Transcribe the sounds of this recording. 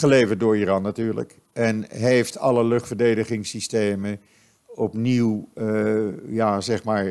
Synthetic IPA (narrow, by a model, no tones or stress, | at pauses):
χəlejvəɹt̚dʊːɹiːrɑnːatyːɹlə̰k | ʔɛnɦejftʰɑləlɵχtfəɹdejdəχɪŋsistejmə | ɔpniw | jaːzɛχmaːɹ